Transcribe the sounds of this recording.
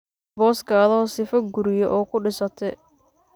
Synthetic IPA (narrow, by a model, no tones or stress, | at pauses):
bɔːskʰaːðɔːsɪfɐɡʊɾɪjɔʔɔːkʰʊɖɪsɐt̪ʰɛ